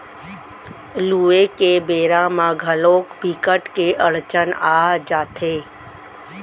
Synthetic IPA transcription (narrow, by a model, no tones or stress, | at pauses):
luːekebeːɾãmãɡʱəloːkbʱikəʈkeʔəɽt͡ʃənaːd͡ʒaːt̪ʰeː